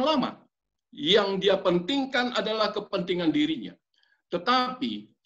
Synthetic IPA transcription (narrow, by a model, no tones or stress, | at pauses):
ŋlama̰ | jaŋdiapənt̪iŋkanadalahkəpənt̪iŋandiɾiɲa̰ | t̪ət̪api